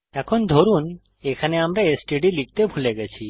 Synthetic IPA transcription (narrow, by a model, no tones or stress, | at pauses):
akʰɔnd̪ʱɔɾun | ekʰaneamɾeesʈeɖilik̚t̪ebʱuleɡet͡ʃʰi